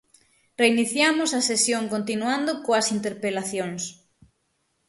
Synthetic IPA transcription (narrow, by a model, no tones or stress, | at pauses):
reiniθjamʊsɐsesjoŋkont̪inuand̪okoɐsint̪eɾpelaθjoŋs